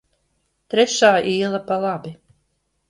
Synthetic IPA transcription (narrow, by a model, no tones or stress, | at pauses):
t̪ɾɛʃaːʔiːlˠapalˠabi